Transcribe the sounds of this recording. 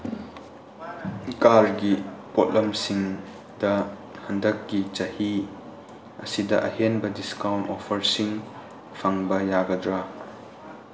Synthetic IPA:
kalɡipɔt̚lɐmsiŋ | dɐhɐndɐkːit͡ʃɐhi | ɐsidɐʔɐhenbɐdiskawnɔfʰɐɾsiŋ | fʰɐŋbɐjaːɡɐdɾa

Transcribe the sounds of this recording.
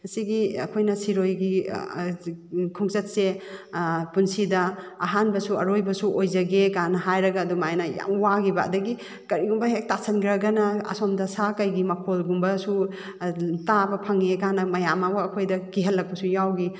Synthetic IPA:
ɐsiɡiɐ̰kʰojnɐsiɾojɡi | kʰuŋsɐt̚se | punsidɐɐɦanbɐsuɐɾojbɐsuʔojzɐɡekanɐɦajɾɐɡaːdumajnɐja̰waɡiba̰k̚dɐɡi | kɐɾiɡumbɐɦek̚tasɐnɡɾɐɡɐnɐɐ̰sɔmdɐsakɐjɡimɐkʰolɡumbɐsu | tabɐpʰɐŋekanɐmɐjamawɐɐkʰojdɐkiɦɐlːɐk̚pɐsujawɡi

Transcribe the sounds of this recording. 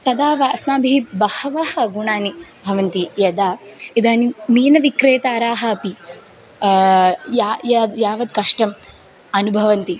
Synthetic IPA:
t̪ɐd̪aːʋaːsmaːbʱibɐhɐʋahɐɡuɳaːnibʱɐʋɐnt̪ijɐd̪aːid̪aːnimiːnɐʋikɾeːt̪aːɾaːɦɐɐpi | jaːjad̪jaːʋɐd̪̚kɐʂʈɐm | ɐnubʱɐʋɐnt̪i

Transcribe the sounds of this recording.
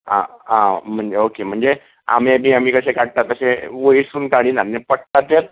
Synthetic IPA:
ã̰ãm̤əɳd͡zeokem̤əɳd͡ze | a̰memiːam̤iːkəsẽkaɽt̪at̪əsẽʋəisuːnkaɽ̃iːnanːepəɽt̪at̪el

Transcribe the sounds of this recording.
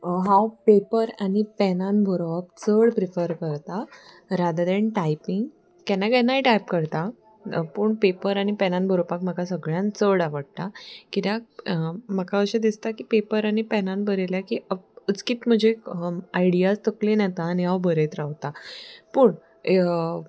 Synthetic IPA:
ɦãwpepəɾaɽ̃ipɛnanbʱəɾoap̚t͡səɽpɾifəɾkəɾt̪a | ɾad̪ad̪eɳʈajpiŋɡ | kɛnːakɛnːaiʈajpkəɾt̪a | pəːɳpepəɾaɽ̃ipɛnanbʱəɾopakmakasəɡɭjãnt͡səɽaʋəɽ̚t̪akit̪a | məkaəɕed̪ist̪akiːpepəɾaɽ̃ipɛnanbəɾeljakiəət͡skiːt̪m̤əd͡ʑʱekaiɽijast̪əklenɛt̪aːniɦawbʱəɾet̪ɾawt̪apəːɳ

